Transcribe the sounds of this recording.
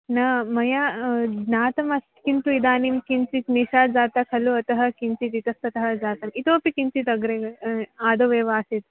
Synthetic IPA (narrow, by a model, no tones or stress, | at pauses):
nɐmɐjanaːt̪ɐmɐst̪kint̪uid̪aːnimkint͡ʃit̪niʃaːd͡zaːt̪akʰɐluɐt̪ɐɦɐ̆kint͡ʃit̪it̪ɐst̪ɐt̪ɐɦɐd͡zaːt̪ɐmit̪oːɐpikint͡ʃit̪ɐɡɾeːɡɐaːd̪oːʋeːʋaːsit̪